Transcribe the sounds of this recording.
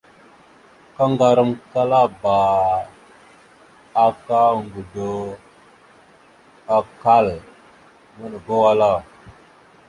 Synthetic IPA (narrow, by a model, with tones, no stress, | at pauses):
ka˦ŋɡa˨ɾə˦mka˦la˦ba˨ | a˦ka˦ŋɡu˨do˨ | a˨ka˦˨l | mə˦n˨ɡo˦wa˦la˦˨